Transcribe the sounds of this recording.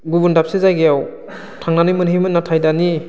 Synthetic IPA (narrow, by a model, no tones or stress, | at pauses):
ɡubundap̚sezajɡejaw | tʰaŋnanɯjmɯnɦijmɯnːatʰajdani